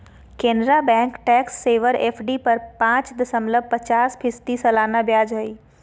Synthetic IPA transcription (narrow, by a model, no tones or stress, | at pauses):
kẽːnɾabɛ̃ːŋkʈɛːksːeːʋəɾeːpʰɖipɐɾpãːt͡ʃd̪ɐsɐ̃mləb̚pɐt͡ɕaːspʰɪst̪isɐlaːnabjaːd͡ʒɦɐiː